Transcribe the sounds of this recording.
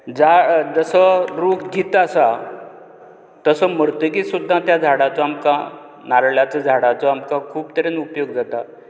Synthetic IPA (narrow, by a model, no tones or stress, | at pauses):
d͡zad͡zəsəɾukʰɡit̪asa | t̪əsəm̤əɾt̪əkisud̪ʱːãt̪jad͡zʱaɽat͡sɔamkã | naɾɭjat͡sad͡zʱaɽat͡sɔamkakʰuːpt̪əɾenupjoɡ̚d͡zat̪a